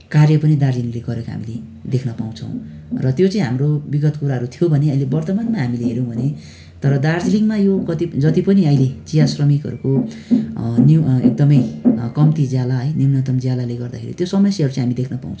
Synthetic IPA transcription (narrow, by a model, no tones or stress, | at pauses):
karjʌpʌnid̪ard͡ziliŋleɡʌɾekoɦa̰mile | d̪ekʰnʌpaw̃t͡sʰʌ̰̃w̃ | rʌt̪jot͡sʌ̃ĩɦamrobiɡʌt̪kuɾaɦʌɾut̪ʰijobʱʌneʌjlebʌrt̪ʌmanmaɦamileɦeɾjow̃bʱʌne | t̪ʌɾʌd̪ard͡ziliŋmajokʌt̪id͡zʌt̪ipʌniʌjlet͡sijasrʌmikɦʌ̰ɾuko | niḛk̚d̪ʌmʌjkʌmt̪id͡zjalaɦʌjnimnʌt̪ʌmd͡zjalaleɡʌrd̪akʰḛɾḭt̪josʌmʌseʌɾut͡sʌĩɦamid̪ekʰnʌpa̰w̃t͡sʰʌ̃